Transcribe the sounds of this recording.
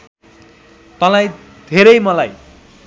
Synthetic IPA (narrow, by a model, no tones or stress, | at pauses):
t̪ʌlaj | d̪ʱeɾʌjmʌlaj